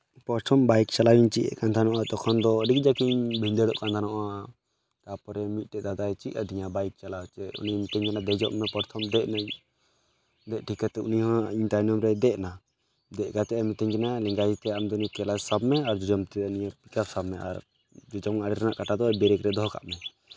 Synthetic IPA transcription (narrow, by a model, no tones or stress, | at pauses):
pɔɾt̪ʰɔmbajkt͡ʃalawiɲt͡ʃiʔɛ̰ʔkant̪ʰanɔʔat̪ɔkʰɔnd̪ɔːɖik̚d͡ʒakiɲbʱind̪ɛɽɔʔkant̪ʰanɔʔa | kapɔɾɛmit̪̚ˀʈɛʔd̪ad̪ajt͡ʃḭaɖiɲabajk̚t͡ʃalat͡ʃɛṵnimit̪ɛɲkɛnad̪ɛd͡ʒɔʔmɛpɔɾt̪ʰɔmd̪ɛʔnaɲ | d̪ɛʔ̚ʈʰikat̪ɛṵniɦɔ̃iɲt̪ajnɔmɾɛd̪ɛʔna | d̪ɛʔ̚kat̪ɛɛmit̪ɛɲkɛnalɛŋɡajit̪ɛamd̪ɔnikɛlad͡ʒsabmɛaɾd͡ʒɔd͡ʒɔmt̪ɛniɲapikapsabmɛa̰ɾ | d͡ʒɔd͡ʒɔmaɽɛɾanaʔkaʈad̪ɔɛbɛɾɛkɾɛd̪ɔɦka̰ʔmɛ